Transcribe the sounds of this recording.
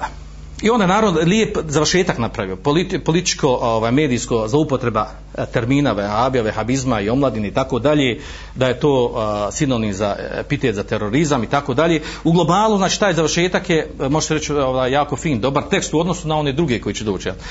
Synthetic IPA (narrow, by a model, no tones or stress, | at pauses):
iond̪anaːɾaʋnoliepzaʋər̩ʃe̞ːt̪aknapɾaʋiopolipolit̪i̥t͡ʃkoʔoʋaːjme̞ːd̪iːskozlˠoupot̪ɾe̞ba | t̪eɾmiːnaʋehabioʋehabizmaio̞mlˠad̪ineit̪akod̪aʎeː | d̪ajet̪oːsinonizaepit̪et̪zat̪eɾoɾizamit̪akoːd̪aʎeːuɡlˠo̞baːlˠuznaːt͡ʃi̥ːt̪aːjzaʋrʃeːt̪akjemo̞ʒe̥t̪eɾet͡ʃoʋaːjːaːko̞fiːnd̪o̞baɾt̪e̞kst̪uo̞d̪nosunao̞ne̞ːd̪ɾuɡe̞ko̞jit͡ʃed̪oːt͡ʃijal